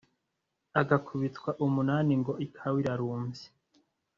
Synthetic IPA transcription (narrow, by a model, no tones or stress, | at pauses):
aɡakʰuβitkwaʔumunaːniŋɡo̞ikʰawiɾaɾuːɱvi̥